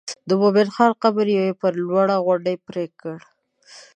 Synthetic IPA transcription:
d̪əbobelxɑɾqabəɾjawepəɾlwaɽaɣwaɖəjpɾekəɽ

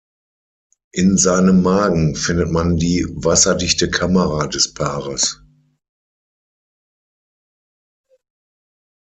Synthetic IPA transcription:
ʔɪnzaɪnəmːaːɡŋ̩fɪndətmandiːvasɐdɪçtəkʰaməʁadɛspʰaːʁəs

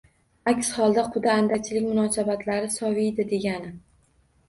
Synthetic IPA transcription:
akʲshɒlˠd̪aqʰʊd̪aːnd̪at͡ʃʰɪlɪkʲmʊnɒsabat̪ʰlaɾɪsɒvijd̪ɪd̪e̞ɡʲanɪ

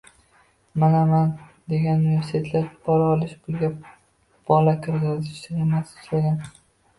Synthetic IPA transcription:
manaman | d̪e̞ɡʲanuʊnɪve̞ɾsit̪ʰe̞t̪ʰlaɾb̥ɒɾɒlɪʃbʊlɡʲa | b̥ɒlakʰʲɪɾzazɪʃt̪ɪemasɪ̥t͡ʃlaɡʲan

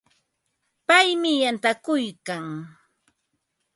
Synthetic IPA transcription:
pajmɪjant̪akʊjkaŋ

